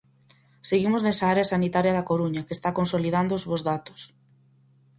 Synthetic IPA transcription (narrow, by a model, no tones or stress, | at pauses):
seɣimʊznɛsaaɾeasanit̪aɾjɐðakoɾuɲɐkeːst̪akonsolið̞and̪oʊzβozðat̪ʊ̥s